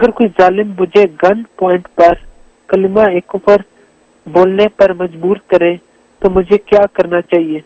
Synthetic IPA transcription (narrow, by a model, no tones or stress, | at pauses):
ɐɡəɾkoːizaːlɪmːʊd͡ʒʱeɡɐnpɔːɪ̃ɳʈpɐɾ | kɐlɪmaeːkʊpəɾ | boːlnepɐɾmɐd͡ʒbuːɾkɐɾẽ | t̪omʊd͡ʒʱekjaːkɐɾnat͡ʃaːɦieː